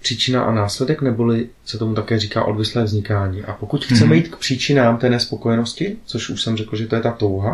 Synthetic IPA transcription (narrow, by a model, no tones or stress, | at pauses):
pr̝̥iːt͡ʃɪnaʔa̰naːslɛdɛknɛbolɪ | sɛt̪omut̪akɛːriːkaːʔo̞̰dvɪslɛːvzɲɪkaːɲiːʔapo̞kucxt͡sɛmɛjiːt̪kpr̥iːt͡ʃɪnaːmt̪ɛːnɛspo̞ko̞jɛno̞scɪt͡so̞ʃʔuʃsɛmrɛklʒɛt̪o̞jɛt̪at̪o̞wɦa